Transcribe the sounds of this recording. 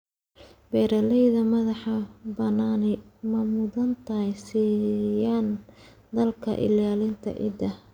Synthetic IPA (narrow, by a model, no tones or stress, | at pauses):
bɛːɾɐlɛjðɐmɐðɑħɑbɐnaːnɛmɐmʊðɐnt̪ʰɐjsiːjaːn | d̪ɐlkʰɐ̰ʔɪ̰laːlɪnt̪ʰɐ̰ʔɪ̰d̪ɐ